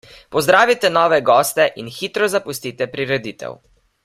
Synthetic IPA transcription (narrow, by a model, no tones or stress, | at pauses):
pɔzd̪ɾaːʋit̪ɛnɔːʋɛɡɔːst̪ɛʔinxiːt̪ɾɔzapust̪iːt̪ɛpɾiɾɛd̪iːt̪ɛ̰w